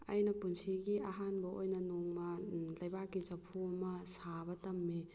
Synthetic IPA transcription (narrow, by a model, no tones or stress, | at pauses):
ɐ̰jnɐpunsiɡiɐɦanbɐojnɐnoŋmɐlɐjbakːizɐpʰuɐmɐsabɐtɐmːi